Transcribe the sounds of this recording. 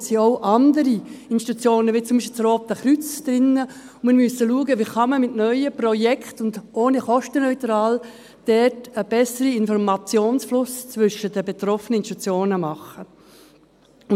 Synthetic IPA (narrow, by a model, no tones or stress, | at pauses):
siɔʊʔɑndəɾiɪnʃtit̪ut͡sjoːnəʋit͡sʊmbiʃpɪlt͡sɾoːt̚dɛχɾyt͡sd̥̪ɾɪnːə | ʊmɪɾmysəluəɡəʋiːχɑməmɪtnœʏəprɔjɛkχtʊndoːniχɔʃtənœʏt̪ɾɑːl | d̥ɛtəb̥ɛsəɾiɪnfɔɾmɑt͡sjoːnsflʊst͡sʋʏʃədəbet̪ɾɔfənəɪnʃtut͡sjoːnəmɑχə